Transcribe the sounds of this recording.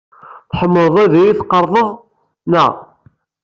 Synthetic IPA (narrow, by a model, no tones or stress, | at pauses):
θħəmːəðˤæðijiθqːəɾˤðˤəðˤ | næ̰